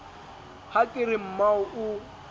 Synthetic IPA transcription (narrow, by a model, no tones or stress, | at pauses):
hakʼɪɾɪm̩maʊʔʊ